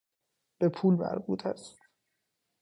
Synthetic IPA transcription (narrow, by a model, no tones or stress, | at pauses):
b̥epʰuːlmæ̰ɾbṵːt̪ʰæst̪